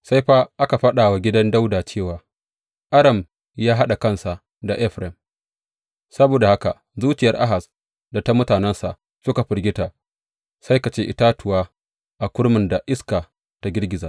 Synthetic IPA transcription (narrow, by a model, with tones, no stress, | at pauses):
sa˦jɸaː˦ʔa˦ka˨ɸɐ˦ɗaː˨wa˨ɡʲɪ˦dɐ˦nda˦wdaː˨t͡ʃeː˦˨waː˨ | ʔa˦ɽɐ˨m | jaː˦ɦa˦ɗa˨kɐ˦nsa˨ʔ | da˨ʔɛ˦ɸɾɛ˨m | sɐ˦boː˨da˨ha˦ka˨ʔ | zuː˦t͡ʃɪ˨jɐ˨rʔa̰˦ɦa˨s | da˨ta˦mʊ˦taː˨nɛ˦nsa˨ʔ | sʊ˦ka˨ɸɪ˨rɡʲɪ˦taː˨ | sa˦jka˨t͡ʃeː˦ʔɪ˦taː˦tʊ˨waː˦ | ʔa˨kʷʊ˦ɽmʊ˨nda˨ʔɪ˦skaː˨ | ta˦ɡʲɪ˦rɡʲɪ˨zaː˨ʔ